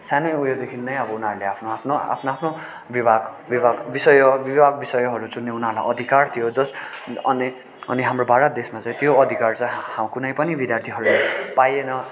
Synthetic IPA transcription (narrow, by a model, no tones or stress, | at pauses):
sanʌjujod̪ekʰinnʌj̃ʌbʌunɦaɾuleapʰnoapʰnoa̰pʰnoapʰno | bibʱaɡ | bibʱaɡbisʌjʌbibʱaɡbisʌjʌɦʌɾut͡sunːeunaɾla̰jʔʌd̪ʱikart̪ʰijod͡zʌsʌni | ʌ̰niɦamrobʱaɾʌt̪̚d̪esmat͡sʌ̃j̃t̪joʌd̪ʱikart͡sʌjhakunʌjpʌnibid̪jart̪ʰiɦʌɾulapajenʌ